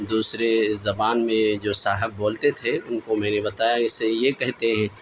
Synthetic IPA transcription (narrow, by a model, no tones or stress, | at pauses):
d̪uːsɾezɐbaːnmẽd͡ʒoːsaːɦəbːoːlt̪et̪ʰeʊnkomɛ̃ːnebɐt̪aːjaɪsejekɛɦt̪eɦɛ̃ː